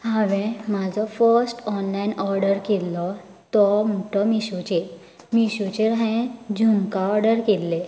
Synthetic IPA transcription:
hãʋẽmad͡zʱɔfəɾsʈɔnlainɔɾɖəɾkelːɔ | t̪ɔmuʈɔmiɕut͡ɕe | miɕut͡ɕeɾẽd͡ʑunkaɔɾɖəɾkelːe

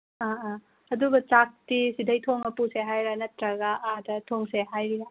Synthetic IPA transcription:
a | ɐduɡɐt͡ʃak̚tisidɐjtʰoŋmɐpuseɦajɾanɐtɾɐɡaʔːdɐtʰoŋseɦajɾia

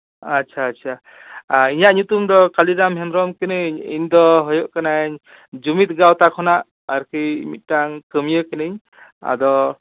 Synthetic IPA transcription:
att͡ʃʰaːtt͡ʃʰa | aiɲaʔɲut̪umd̪ɔkaliɾamɦɛnɾɔmkɯnɯɲḭnd̪ɔɦɔjɔʔkanaɲ | d͡ʒumit̪̚ɡawt̪akʰɔnaʔ | aɾkʰɯj̰mit̪̚taŋkɯmjɯkɯnɯɲ | a̰d̪ɔ

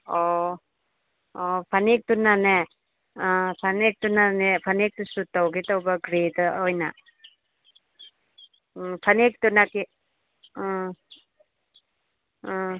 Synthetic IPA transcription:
ɔ | ɔpʰanek̚t̪unane | pʰanek̚t̪unanepʰanek̚t̪usut̪awkit̪ɔwbaɡɾet̪ɔjna | pʰanek̚t̪unaki

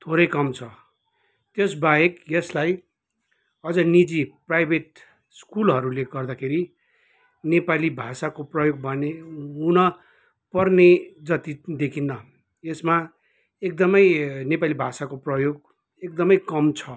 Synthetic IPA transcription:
t̪ʰoɾʌjkʌmt͡sʰʌ | t̪jesbaekjeslaj | ʌd͡zʌnid͡ziprajbʱeʈ | skulɦʌɾuleɡʌrd̪akʰeɾi | nepalibʱasakoprʌjoɡ̚bʱʌneunʌ | pʌrned͡zʌt̪id̪ekʰinːʌ | esma | ek̚d̪ʌmʌjnepalibʱasakoprʌjoɡ | ek̚d̪ʌmʌjkʌmt͡sʰʌ

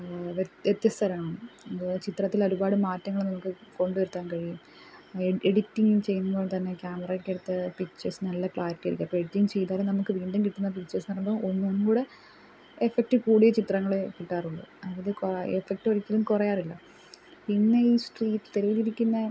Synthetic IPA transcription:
ʋʋjet̪jɐst̪ʰɐɾɐmaːɳɨot͡ɕit̪rɐt̪ːilo̞ɾubaːɽɨmaːtːɐŋːɐɭenɐmukːɨko̞ɳɖɨʋɐɾut̪ːaːnkɐɻijum | eɽitːiŋut͡ɕe̞jːunːunboːt̪ɐnːe̞kʲjaːmɐrɐjʈːeɽut̪ːɨpikt͡ɕːɐsɨnɐlːɐkɭaːɾɐtːɐɾikʲːaɐpːoeɽitːiŋɡt͡ɕe̞jt̪aːlenɐmukːɨʋiːɳɖɐmkiʈːunːɐpikt͡ɕːɐsnɐrɐmbɐonːɨonːukuːɽe | efek̚ʈɨkuːɽijet͡ɕit̪rɐŋːɐɭekiʈːaːruɭːɨ̰ɐðɐðɨkefek̚ʈɨoɾikʲːilumkurɐjaːrilːɐ | pinːeiːsʈriːʈːɨt̪eɾɐʋiliɾikʲːunːɐ

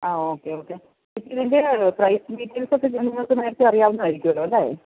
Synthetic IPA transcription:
aːoːkːeo̞ːkːe | ipːinendeprɐjsmiːʈːiŋɡsok̪ːet͡ɕenːiŋːɐɭok̪ːɨneːɾt̪ːɨɐrijaːʋunːɨʋaːjiɾikʲːuʋɐɭːɐmɐaːje

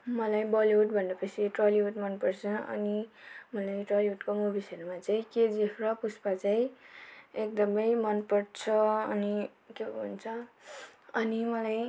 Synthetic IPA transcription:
mʌlajbʌliuʈbʱʌndʌpʌsʰiʈrʌliuʈmʌnpʌrt͡sʰʌʔʌ̰nimʌlajʈrʌliuʈkomubʱisʌɾumat͡saĩked͡zepʰrʌpuspat͡saĩ | ekd̪ʌmʌjmʌnpʌɽt͡sʰʌʌni | keunt͡sʰʌ | ʌnimʌlaj

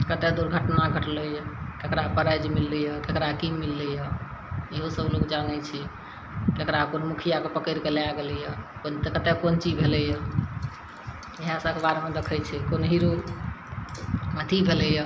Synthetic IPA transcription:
kət̪ed̪uɾɡʱəʈnaɡʱəʈlɛjəkekɾapəɾəjd͡ʒmilːɛjəkekɾakimilːɛjəeɦosəblokd͡ʒanɛt͡ʃʰɛ | kekɾakonmukʰijakepəkəɾkeleaɡelɛjəkont̪ekət̪ekont͡ʃibʱelɛjə | eɦasəkebaɾemed̪ekʰəjt͡ʃʰɛkonɦiɾo | mət̪ʰibʱelɛjə

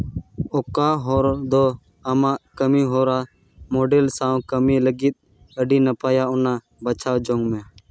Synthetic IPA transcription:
oːkaːɦoːɾd̪oː | əmãːkəmiːɦoːɾaː | moːɖeːlsãːkəmiːləɡit̪̚ | əɖiːnəpaːjaːʊnaː | bət͡ʃʰaːd͡ʒõːŋɡmẽː

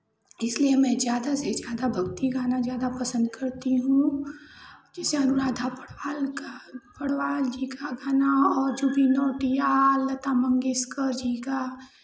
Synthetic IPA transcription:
ɪsliemɛ̃zjaːd̪asezjaːd̪abʱɐɡt̪iɡaːnazjaːd̪apɐsə̃nd̪kɐɾt̪iɦũ | d͡ʒɛːseɐnʊɾaːd̪ʱapɐɽʋaːlkapɐɽwaːld͡ʒiːkaɡaːnaɔːɾd͡ʒobʱinɔːʈijalɐt̪amɐ̃ŋɡeskəɾd͡ʒiːka

